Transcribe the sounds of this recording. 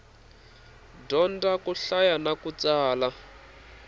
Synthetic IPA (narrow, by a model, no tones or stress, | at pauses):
dɔndakuɬajanakut͡saːla